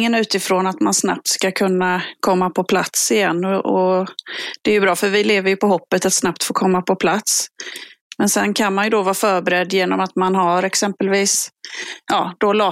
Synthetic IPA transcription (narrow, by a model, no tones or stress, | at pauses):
ŋənʉ̟ːt̪ɪfɾoːnat̪mansna̰p̚t̪skakʰɵnːakʰɔmːapʰɔpʰla̰t̪sɪjɛnːɔɔ | d̪̥ɛæɾjɵbɾɑːfœɾvɪleːvəɾjɵpɔɦɔpːət̪at̪snapt̪foːkʰɔmːapʰɔpʰlat̪s | mɛnsɛnkʰanmanjɵd̪ɔvɑːfœːɾbɛɾɛd̪ːjeːnɔmat̪manɦaɾɛksɛmpəlviːsjɑ̰ːd̪̥ɔlɑː